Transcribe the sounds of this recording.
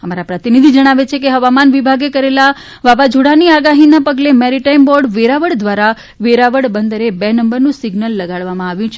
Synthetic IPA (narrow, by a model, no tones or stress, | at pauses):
əmaɾapɾət̪inid̪ʱid͡ʒəɽ̃aʋet͡ʃʰekeɦəʋamanʋibʱaɡekəɾela | ʋaʋad͡ʒʱuɽaniaɡaɦinapəɡlemɛɾiʈaimbɔɾɖʋeɾaʋəɽd̪ʋaɾa | ʋeɾaʋəɽbənd̪əɾebenəmbəɾnũsiɡnəlːəɡaɭʋamãaʋjũt͡ʃʰ